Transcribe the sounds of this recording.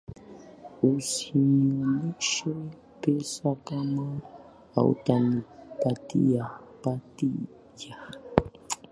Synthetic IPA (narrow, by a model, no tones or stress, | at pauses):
usiɲoniʃe | pesakama | a̰ṵtanipat̪ḭjapati | ja